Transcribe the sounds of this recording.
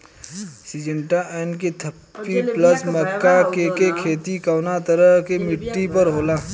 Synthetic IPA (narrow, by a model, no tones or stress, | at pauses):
sid͡ʒə̃ɳʈaʔɛːnkit̪ʰɐpːipləsməkːakekekʰeːt̪ikaːnat̪ɐɾəɦkemɪʈːipɐɾɦoːlaː